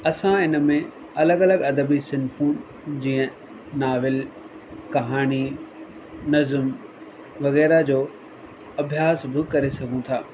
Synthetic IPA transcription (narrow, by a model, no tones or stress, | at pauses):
ɐsãɪnə̆mẽ | ɐləɡɐləɡɐd̪əbisɪnfuːn | d͡ʑĩːə̃ | naːʋɪl | kɐɦaːñi | nɐzəm | ʋɐɣɛːɾad͡ʑoː | ɐbʱjaːsbɪkɐɾesɐɡʱũt̪ʰaː